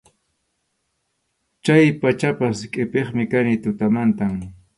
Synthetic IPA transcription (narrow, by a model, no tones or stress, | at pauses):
t͡ʃajpat͡ʃapaskʼɪpeχmɪkanɪt̪ʊt̪amant̪am